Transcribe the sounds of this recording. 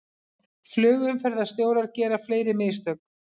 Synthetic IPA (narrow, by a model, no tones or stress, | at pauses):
flʏːɣʏmfɛɾðast̪joːwɾaɾcɛːɾafleːjɾɪmɪːst̪œk̚n̥